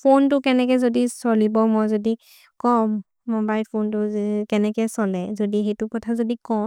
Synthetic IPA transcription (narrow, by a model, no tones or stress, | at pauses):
pʰontʊkɛnɛkɛzodisɔlibɔmɔjzodi | kɔmː | obajpʰontʊkɛnɛkɛsɔlɛzodixejtʊkɔtʰazodikɔm